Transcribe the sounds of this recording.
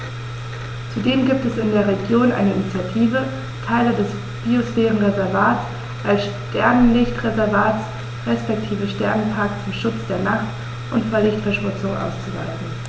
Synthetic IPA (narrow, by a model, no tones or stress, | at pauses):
t͡sudeːmɡiːp̚tɛsɪndeːɐʁeɡjoːnʔa̰ɪnəɪnit͡sjatʰiːvə | tʰaɪlədɛs | b̥iosfɛːʁən̩ʁezɛɐvaːts | ʔalsʃ | tɛɐnənlɪçtʁezɛɐvaːts | ʁɛspɛk̚tʰiːvəʃtɛɐnənpʰaːkt͡sʊmʃʊt͡sd̥eːɐnaχt | ʔʊntfoːɐlɪçtfɛɐʃmʊt͡sʊŋʔa̰ʊst͡suva̰ltn̩